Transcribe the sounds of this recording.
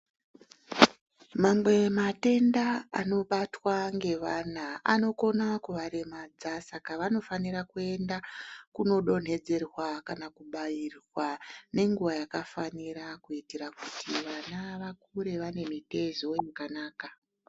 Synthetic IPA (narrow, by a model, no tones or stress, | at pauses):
mamwe̞mate̞ndaa̰no̞ɓatwaŋɡe̞ʋanaano̞ko̞nakuʋaɾemaːd͡zasakaʋano̞faniɾakue̞ndakuno̞ɗo̞n̤e̞d͡ze̞rwakanakuɓajirwane̞ŋɡuʋajakafaniɾakuitiɾakutʰiʋanaʋakuɾe̞ʋane̞mite̞ʒo̞akanaːka